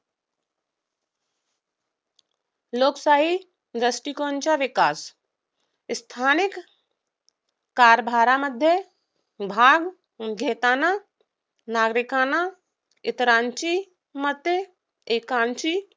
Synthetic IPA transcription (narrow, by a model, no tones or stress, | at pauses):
loːksaːɦi | d̪ɾəsʈikoːnt͡ʃaʋɪkaːs | st̪ʰaːnɪk | kaːɾbʱaːɾaməd̪ʱje | bʱaːɡ | ɡʱeːt̪aːna | naːɡɾɪkaːna | ɪt̪ɾãːnt͡ʃi | mət̪e | eːkaːnt͡ʃi